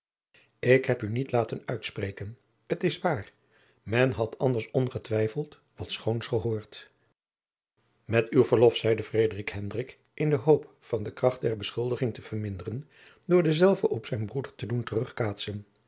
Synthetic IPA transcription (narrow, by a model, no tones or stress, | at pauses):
ɪkɦɛpynitlaːtənœɥtsprejkən | ətɪsʋaːr | mɛnɦɑtɑndəɹsɔnχətʋɛjfəlˠt | ʋɑtsχownsχəɦoːɹt | mɛtywvəɹlɔfsɛjdəfrejdərikɦɛndrɪk | ʔɪndəɦowp | fɑndəkrɑχt̚dɛɹbəsχɵlˠdəχɪŋtəv̥əɹmɪndərən | dʊːɹdəzɛlˠvəʔɔpsɛjnbrudəɹtəduntərɵχkaːtsən